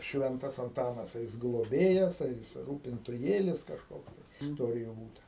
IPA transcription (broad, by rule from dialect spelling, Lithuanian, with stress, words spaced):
ˈʃʲʋʲɛntɐs ɐnˈtɑːnɐs ɐ ˈjɪs ɡlˠoːˈbʲeːjɛs ɐr ˈjɪs ruːpʲɪntʊˈjeːlʲɪs kɐʃˈkoːks ɪsˈtoːrʲɪjʊ ˈbuːtɐ